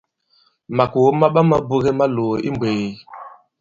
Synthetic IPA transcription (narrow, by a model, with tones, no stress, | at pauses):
ma˨ku˨wo˦ma˦ɓa˦ma˦bu˦ɣe˦ma˦lo˨ʔi˦mbe˨i˨